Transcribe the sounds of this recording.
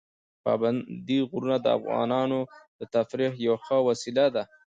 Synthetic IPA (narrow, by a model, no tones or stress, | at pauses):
pɑ̰band̪iɣʊɾunad̪əa̰fɣɑ̰nɑnod̪̥ət̪afɾihjawxəwasilad̪a